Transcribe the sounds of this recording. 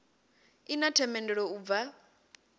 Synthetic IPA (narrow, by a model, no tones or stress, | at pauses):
inatʰɛmɛndɛɺɔub̪va